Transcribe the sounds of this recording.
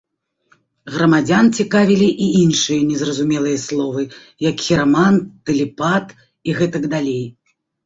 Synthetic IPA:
ɣɾɐmad͡zʲant͡sʲikavʲilʲiʔiinʂɨjɐnʲɛzrɐzumʲɛlˠɨjɐslˠɔvɨ | jɐkxʲiɾamant̪ɨlʲipat̪ | iɣɛt̪ɐɡd̪alʲej

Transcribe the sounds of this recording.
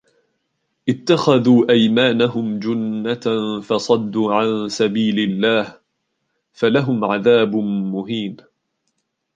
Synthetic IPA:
ʔɪt̪ːaxaðuːʔajmaːnaɦʊmd͡ʒʊnːafɑsˤɑd̪ːuːʕansabiːlɪlːaːh | falaɦʊmʕaðaːbːʊɦiːm

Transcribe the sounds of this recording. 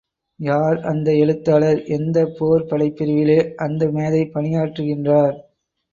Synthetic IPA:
jaːɾɐnd̪ɐɛɻɯt̪ːaːlɐɾʔɛnd̪ɐpoːɾpɐɽɐɪpːɪɾɯʋɪleːʔɐnd̪ɐmeːðɐɪpɐnɪjaːʈrɯɣɪndraːɾ

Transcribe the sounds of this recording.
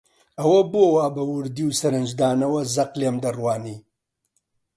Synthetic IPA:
ɐwɐbowaːbɐwʊɾd̪iwsɐɾɨnd͡ʒd̪aːnɐwɐzɐqleːmd̪ɐrwaːniː

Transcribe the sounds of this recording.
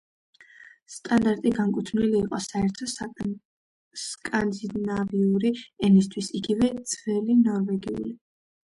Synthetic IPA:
st̪ʼand̪aɾt̪ʼiɡaŋkʼut̪ʰv̥niliːqʼɔsaɛɾt̪ʰɔ | skʼand̪inaviuɾiɛnist̪ʰwisiɡivɛd̪z̥vɛlinɔɾvɛɡiṵli

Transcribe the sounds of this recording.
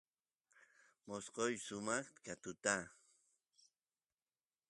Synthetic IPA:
mosqojsʊmɑχt̪kat̪ʊt̪a

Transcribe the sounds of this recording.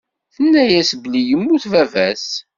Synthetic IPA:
θənːæjæsblijəmːuθvævæs

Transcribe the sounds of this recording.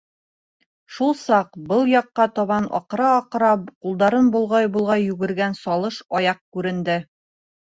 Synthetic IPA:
ʃulˠsɑqbɤlˠjɒqːɑt̪ɒβɑnɒ̰qɾɑːqɾɑqulˠd̪ɑɾɤnbulˠʁɑjbulˠʁɑjːʉɡɘ̆ɾɡænsɒlˠɤʃɒjɑq̚kʉɾɘ̆nd̪ɘ

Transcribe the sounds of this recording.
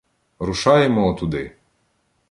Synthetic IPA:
ɾʊʃɑjemɔːt̪ʊd̪ɪ

